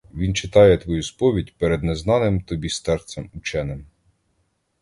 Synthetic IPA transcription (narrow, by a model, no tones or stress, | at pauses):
ʋʲint͡ʃɪt̪ɑjɛt̪ʋɔjuspɔʋʲidʲpeɾɛd̪neznɑnɪmt̪ɔbʲist̪ɛɾt̪sɛmʊt͡ʃɛnɪm